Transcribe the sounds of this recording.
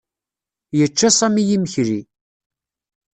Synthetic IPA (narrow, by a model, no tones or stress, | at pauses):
jət͡ʃːasˤæmijiməçɾi